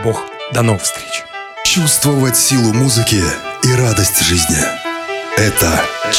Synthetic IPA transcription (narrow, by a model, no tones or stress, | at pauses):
box | d̪ɐnovfst̪ɾʲet͡ɕɪ̥ | t͡ɕust̪vəvətʲsʲilˠʊmuzɨkʲɪiɾad̪əsʲtʲʐɨzʲnʲɪ | ɛt̪ə